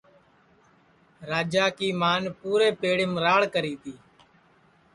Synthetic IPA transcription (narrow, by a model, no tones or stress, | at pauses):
ɾaːd͡ʒaːkiːmaːnpuːɾeːpeːɽɪmɾaːɭkəɾiːt̪ʰiː